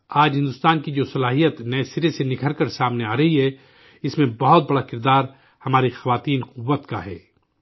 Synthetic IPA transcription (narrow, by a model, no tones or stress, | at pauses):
aːd͡ʒɦɪ̃nd̪ʊst̪aːnkid͡ʒoːsɐlaːɦijət̪nɛesɪɾesenɪkʰəɾkəɾsaːmneaːɾɐɦiɦɛ | ɪsmẽbɐɦɔt̪̚bɐɽakɪɾd̪aːɾ | hɐmaːɾixɐʋaːt̪iːnqʊʋːət̪ka̰ɦɛ̰ː